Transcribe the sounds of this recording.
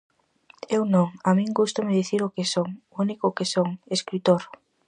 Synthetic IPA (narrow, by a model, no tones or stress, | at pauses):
ewnõŋamĩŋɡust̪amɪðiθiɾʊkesoŋ | unikʊkesoŋeskɾit̪oɾ